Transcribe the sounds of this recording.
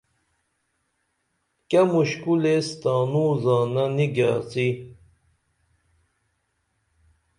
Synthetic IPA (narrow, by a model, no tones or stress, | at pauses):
kɐmuɕkulest̪aːnuzaːnɐniɡa̰ːt͡si